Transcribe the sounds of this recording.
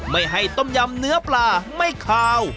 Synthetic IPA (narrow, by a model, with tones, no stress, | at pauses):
ma˥˩jɦa˥˩jt̪o˥˩mja˧mnɯ˦˥ɐplaː˧˩ma˥˩jkʰaː˧w